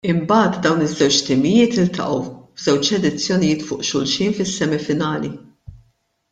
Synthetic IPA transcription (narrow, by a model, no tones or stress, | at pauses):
ɪmbɐːt̪d̪ɐwnɪzːɛwt͡ʃt̪ɪmɪjɪːt̪ɪlt̪ɐ̰ʔɐwvzɛwt͡ʃɛd̪ɪt͡sːjɔnɪjɪːt̪fʊ̰ːʔʃʊlʃiːnfɪsːɛmɪfɪnɐːli